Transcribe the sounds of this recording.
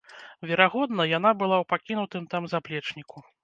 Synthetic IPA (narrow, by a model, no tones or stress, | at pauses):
vʲɛɾaɣɔd̪nɐjanabɨlˠawpakʲinut̪ɨmt̪amzaplʲɛt͡ʂnʲiku